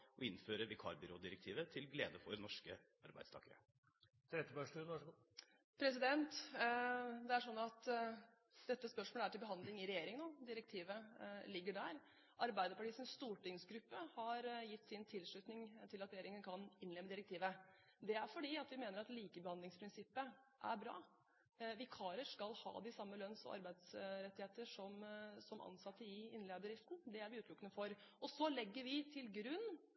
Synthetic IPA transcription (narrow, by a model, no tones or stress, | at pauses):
ʔɔɪnføːɾəʋɪkʰɑ̰ɾbʏɾoːd̪ɪɾɛk̚t̪ʰiːʋət̪ʰɪlɡlḛːd̪əfɔɾnɔʂkə | ɑ̰ɾbæ̰ɪd̪st̪ɑ̰ːkəɾə̰ | t̪ʰɾɛt̪ːəbɑʂʈʉnɑ | pʰɾɛsɪd̪ɛnt̪ | d̪ɛæʂɔnːɑt̪ | d̪̥ɛt̪ːəspœʂmoːləæʈɪlbəɦɑnd̪lɪŋɪɾɛjeːɾɪŋənoːd̪ɪɾək̚t̪ʰiːʋəlɪɡːəɖæɾ | ʔɑɾbæɪd̪əɾpɑʈiːsənsst̪uːʈɪŋsɡɾʉpːəhɑɾjɪt̪ːsɪnt̪ʰɪlʂɭʉt̪nɪŋt̪ʰɪlɑt̪ɾɛjeːɾɪŋənkʰɑnɪnːlɛmːəd̪ɪɾɛk̚t̪ʰiːʋə | d̪ɛæɾfɔɖiːɑt̪ʋɪmeːnəɾɑt̪liːkəbəhɑnd̪ɪŋspʰɾɪnsɪpːəʔæ̰ɾbɾɑ̰ː | ʋɪkʰɑːɾəʂkɑlhɑ̰ːd̪ɪsɑmːəlœnsɔ̰mʔɑ̰ɾbæɪd̪sɾɛt̪ːɪheːt̪əʂɔmsɔmʔɑ̰nsɑt̪ːəɪɪnːleːbbd̪ɾɪft̪n̩d̪ɛæɾʋɪʉːt̪lʊkːənəfɔɾɔsɔlɛɡːəɾʋɪt̪ʰɪlɡɾʉnː